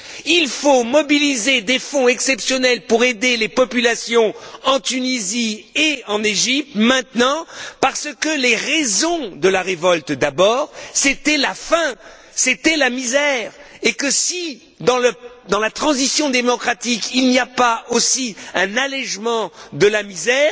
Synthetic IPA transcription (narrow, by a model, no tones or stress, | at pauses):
ilfomɔbilized̪efɔ̃ɛksɛpsjɔnɛlpuʁed̪elepɔpylasjɔ̃ɑ̃t̪ynizieɑ̃neʒip̚t̪mɛ̃t̪nɑ̃paʁsəkəleʁɛzɔ̃d̪əlaʁevɔlt̪d̪abɔːʁset̪ɛlafɛ̃ | set̪ɛlamizɛʁekəsi | d̪ɑ̃ləd̪ɑ̃lat̪χɑ̃zisjɔ̃d̪emɔkχat̪ikilniapaosiɛ̃nalɛʒmɑ̃d̪əlamizɛːʁ